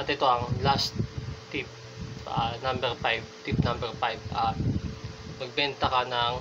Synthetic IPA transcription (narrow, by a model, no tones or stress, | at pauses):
ʔɐt̪ɪt̪o̞ʔɐŋlast̪ː | ip̚ | anambɛɹpajvt̪ip̚nãmbɛɹfajbʔa | mɐɡ̚bɛnt̪ɐkanɐŋ